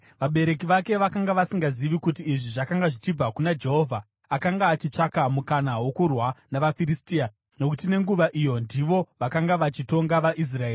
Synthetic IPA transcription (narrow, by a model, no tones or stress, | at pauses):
ʋaɓe̞ɾe̞k̬iʋake̞ʋakaŋɡaʋasiŋɡaziʋikut̬iːʐiʐakaŋɡaʐit͡ʃib͡vakunad͡ʒe̞ɦo̞vʱa | akaŋɡaːt͡ʃit͡ʂakamukanawo̞kurwanaʋafiɾistiːa | no̞kutine̞ŋɡuʋaʔijo̞ndiʋo̞ʋakaŋɡaʋat͡ʃito̞ŋɡaʋaʔis̬rae̞ːri